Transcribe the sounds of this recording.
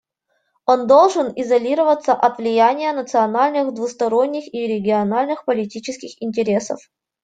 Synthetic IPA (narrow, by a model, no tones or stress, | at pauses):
o̞nd̪olˠʐɨnizɐlʲiɾəvət̪sːəʔɐt̪vlʲɪjanʲɪjənət̪sɨɐnalʲnɨxd̪vust̪ɐɾo̞nʲːɪxiɾʲɪɡʲɪɐnalʲnɨxpəlʲɪtʲit͡ɕɪskʲɪxɪnʲtʲɪɾʲesə̰f